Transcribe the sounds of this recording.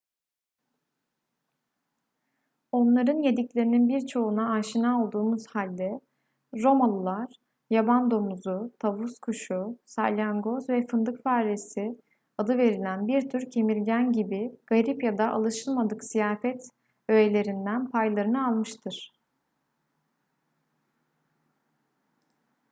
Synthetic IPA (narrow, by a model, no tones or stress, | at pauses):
o̞nlˠaɾɯnje̞d̪iclʲe̞ɾininbiɾt͡ʃʰo̞unaːʃinao̞lˠd̪uːmuz̥halʲd̪ɛ | ɾo̞malˠulˠaɾ̥ | jaband̪o̞muzut̪ʰavuskʰuʃusa̰lʲaŋɡozvɛfɯnd̪ɯkfaːɾesi | ad̪ɯve̞ɾilʲænbiɾt̪ʰyɾcʰe̞milʲɟænɟibiɡ̥aɾipjad̪aʔa̰lˠɯʃɯlˠmad̪ɯksijaːfɛt̪ | øjelʲe̞ɾind̪ænpʰajlˠaɾɯnɯalˠmɯʃt̪ʰɯɾ̥